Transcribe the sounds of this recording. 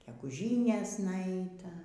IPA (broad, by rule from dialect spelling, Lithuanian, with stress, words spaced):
ɡʲɛɡʊˈʒʲiːnʲeːsnɐ ˈɐɪtɐ